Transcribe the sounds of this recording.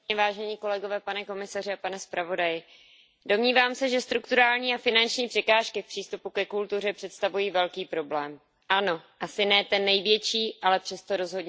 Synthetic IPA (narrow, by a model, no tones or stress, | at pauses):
ɛvaːʒɛɲiːko̞lɛɡo̞vɛːpanɛko̞mɪsarɪapanɛspɾavo̞dajɪ | do̞mɲiːvaːmsɛʒɛst̪ɾukt̪uɾaːlɲiːafɪnant͡ʃɲiːpr̝̥ɛkaːʃkɪfpr̥iːst̪upukɛkult̪ur̝ɛpr̥ɛt̪st̪avujiːvɛlkiːpɾo̞blɛːm | ʔano̞ʔasɪnɛːt̪ɛnːɛjvjɛt͡ʃiːʔalɛpr̝̥ɛst̪o̞ɾo̞zɦo̞dɲ